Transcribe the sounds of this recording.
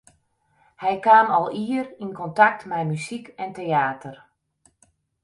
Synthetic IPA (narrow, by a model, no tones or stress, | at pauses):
hɛjkaːmɑlˠiərinkɔntak̚tmɛjmysikɛnteaːtər